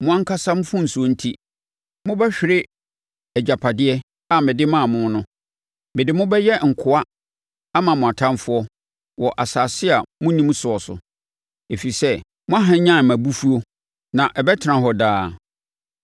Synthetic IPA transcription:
mʊ̃˦ã˦ŋ̩˦kʰa˦sã˦m˦fʊ̃˦n̩˨su˨o˦n̩˦tʰi˦ | mʊ̃˦bɛ˦ɕᶣɪ˨ɾɪ˦ | ɛ˨d͡ʑa˨pʰa˨dɪ˦ɛ˦ | a˨mɪ̃˨dɪ˦mã˦˨mʊ̃˦nʊ̃˦ | mɪ̃˨dɪ˨mʊ̃˦bɛ˦jɛ˦ŋ̩˨kʰʊ˨a˦ | a˦mã˨mʊ̃˨a˨tʰã˦nfʊ˦ɔ˦ | wɔ˨ʔa˨saː˨sɪ˦a˨mʊ̃˦nĩ˦m˦sʊ˨ɔ˨sʊ̰˨ | e˨fi˨sɛ˦ | mʊ̃˦a˦ɦã˦ɲã˦˨mã˨bu˦fu˦o˦ | nã˨ʔɛ˨bɛ˦tʰɪ˨nã˨ɦɔ˦daː˦

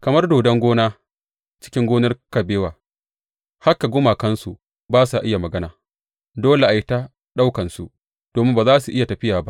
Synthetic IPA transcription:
kɐ˨mɐ˦rdoː˨dɐ˦ŋɡʷoː˦naː˦ | t͡ʃɪ˦kʲɪ˦ŋɡʷoː˦nɐ˦rkɐ˨beː˦waː˨ | ha˦kːa˨ɡʷʊ˦maː˨kɐ˦nsu˨ʔ | baː˦sa˨ʔɪ˦ja˨mɐ˨ɡɐ˦na̰ː˨ | doː˦le˨ʔa˨jɪ˦ta˦ | ɗa˦wkɐ˨nsṵ˨ | d̥oː˨mɪ˦mbaː˨zaː˦su˨ʔɪ˦ja˨tɐ˨ɸɪ˦jaː˨ba˦ʔ

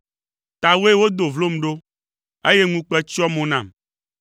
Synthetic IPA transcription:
t̪a˨we˦wo˦d̪o˨vlo˦m˨ɖo˦ | e˦je˦ŋũ˦k͡pɛ˦t͡ɕi˦ɔ˦mõ˨nã˨m

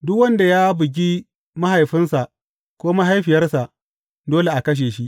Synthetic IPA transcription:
dʊ˦kwɐ˦nda˨jaː˦bɪ˨ɡ̬ʲi˦ | ma˦ha˨jɸɪ˦nsa˨ʔ | kʷoː˦ma˦ɦa˦jɸɪ˨jɐ˦rsa˨ʔ | doː˦le˨ʔa˨kɐ˦ʃ̬eː˨ʃi˦ʔ

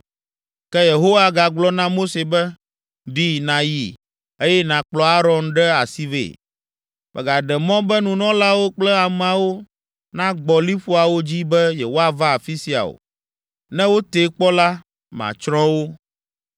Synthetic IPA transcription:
kɛ˦je˨ɦo˦wa˨ɡa˨ɡ͡blɔ˦nã˦mo˦se˨bɛ˦ | ɖi˦nã˨ji˨ | e˦jɛ˦nã˨k͡plɔ˦a˦ɾɔ̃˨nɖɛ˦a̰˨si˦vḛ˨ | mɛ̰˨ɡa˨ɖɛ˨mɔ̃˦bɛ˦nũ˨nɔ̃˦la˦wo˦k͡plɛ˦a˨m˨a˨wo˦ | nã˦ɡ͡bɔ˨li˦ɸu˦a˨wo˦d͡ʑi˦bɛ˦jɛ˨wo˦a˨va˦a˨fi˦si˨a̰˨o̰˨ | nɛ̃˦wo˦t̪e˨k͡pɔ˦la˦ | mã̰˨t͡ʃɾɔ̃˦wo˦

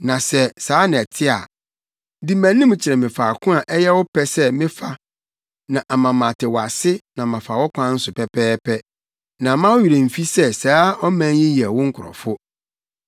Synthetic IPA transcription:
nã˨sɛ˦saː˨˦nɪ̃˨ɛ˨tʰɪ˦a̰˨ | di˦mæ̃˨nĩ˦m˨t͡ɕʰɪ˨ɾɛ˨mɪ̃˨faː˨kʰʊ̃˦a˨ʔɛ˦jɛ˦wʊ˦pʰɛ˦sɛ˦mɪ̃˦fa˨ | nã˨ʔa˨mã˨mã˨tʰɪ˨wɔ˨a˨sɪ˦nã˨mã˨fa˨wɔ˦kʷʰã˦n̩˦sʊ˨pɛ˨pʰɛː˦pʰɛ˦ | nã˨˦mã˦wʊ˦ɥi˨ɾe˨m̩˨fi˦sɛ˦saː˨˦ɔ˦mæ̃˦ɪ̃˦jɛ˨wʊ̃˦ŋ̩˦kʰʊ˨ɾɔ̰˨fʊ˦

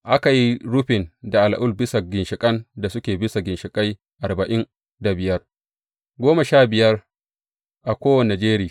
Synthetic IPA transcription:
ʔa˦ka˨ji˦ɽʊ˦ɸɪ˨nda˨ʔa˨la˨ʔʊ˦˨lbɪ˦sa˨ɡʲɪ˨nʃɪ˨kʼɐ˦nda˨sʊ˦kʲeː˨bɪ˦sa˨ɡʲɪ˨nʃɪ˨kʼa˦j | ʔa˨rba˨ʔɪ˦n | da˨bɪ˨jɐ˦r | ɡʷoː˦ma˨ʃaː˦˨bɪ˨jɐ˦r | ʔa˨kʷoː˦wɐ˨ne˨d͡ʒeː˦ɾɪ˨

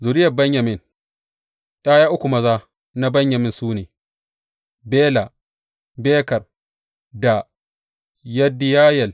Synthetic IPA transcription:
zʊ˨ɾɪ˦jɐ˨bɐ˦ɲjɐ˨mɪ˦˨n | ʔaː˦jaː˦ʔʊ˦kʷu˨mɐ˦zaː˦ | na˦bɐ˦ɲjɐ˨mɪ˦nsuː˦neː˨ | beː˦la˨ | beː˦kɐ˨r | da˨ | jɐ˦dɪ˦jaː˦jɛ˨l

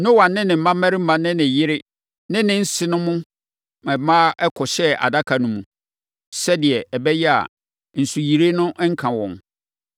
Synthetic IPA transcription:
nʊ̃˦wã˨nːɪ̃˦nɪ̃˨m̩˨mã˦mæ˦ɾɪ˦m̩˦mã˦nɪ̃˦nɪ̃˨jɪ˦ɾɪ˦ | nɪ̃˦nɪ̃˦n̩˦sɪ˦nʊ̃˦mʊ̃˦ | mɛ̃˨mã˦ɛ˦kʰɔ˨ɕɛ˦a̰˨da˦kʰa˨nʊ̃˦mũ˨ | sɛ˦dɪ˨ɛ˨ɛ˨bɛ˦jɛ˦a̰˨ | n̩˨su˨ji˨ɾe˦nʊ̃˦ʔŋ̩˦kʰã˨wɔ̰̃˨n

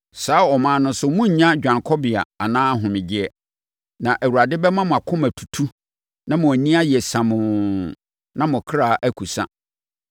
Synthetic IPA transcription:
saː˨˦ɔ˨mãː˨˦nʊ̃˦n˦sʊ˦mũ˦ɲ̩˨ɲã˦d͡ʑᶣã˨ŋkʰɔ˦bɪ˨a˨a˨nãː˦ɦʊ̃˨mɪ̃˨d͡ʑɪ˦ɛ˨ | nã˨ʔæ˨wu˨ɾa˨dɪ˦bɛ˦mã˦mʊ̃˨a˨kʰʊ̃˦mæ˨tʰu̥˨tʰu˦ | nã˦mʊ̃˨æ˨nĩ˦a˦jɛ˨sã˨mʊ̃˨ | nã˦mʊ̃˨kʰɾa˦˨ʔæ˦kʰu˨sa̰˦

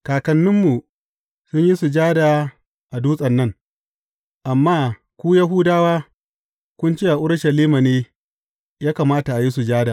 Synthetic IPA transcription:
kaː˨kɐ˨nːʊ˦mːu˨ | sʊ˦ɲji˦su˨d͡ʒaː˦daː˨ | ʔa˨duː˦sʼɐ˨nːɐ˦ŋ | ʔa˨mːaː˦ | kʷuː˦ja˦ɦʊ˦daː˦waː˦ | kʷʊ˦nt͡ʃeː˦ʔa˨ʔʊ˦ɽʃɐ˨liː˦ma˨neː˦ | jaː˦ka˨maː˦ta˨ʔa˨ji˦s̬u˨d͡ʒaː˦daː˨

